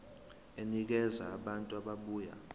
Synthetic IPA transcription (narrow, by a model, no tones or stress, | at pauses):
enik̬ɛza̰ːɓantʼuaɓaɓuːja̰